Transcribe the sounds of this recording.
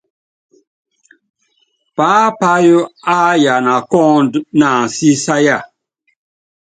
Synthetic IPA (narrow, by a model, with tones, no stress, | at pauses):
paː˨˦pa˦jo˦a˦ja˨na˨kɔ̃˦ndnaː˨si˦sa˦ja˦˨